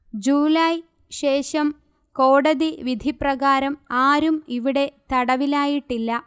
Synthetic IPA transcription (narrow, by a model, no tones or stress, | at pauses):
d͡ʑuːlɐj | ɕe̞ːʂɐm | ko̞ːɽɐðiʋid̪ʱiprɐɣaːɾɐmaːɾumiʋiɽe̞t̪ɐɽɐʋilaːjiʈːilːɐ